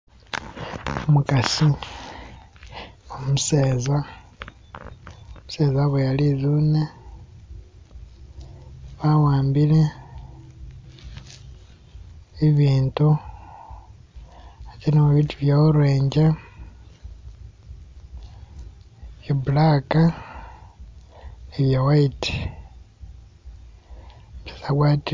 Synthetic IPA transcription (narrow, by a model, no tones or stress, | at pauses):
umukasi | omuseːza | muse̞ːzaβejalizuːne | βawaːmbile̞ | iβiːntu | at͡ʃinemuβituβjauɾweːɲɟa | βjabulaka | neβjawaiti̥ | βe̥saɣwat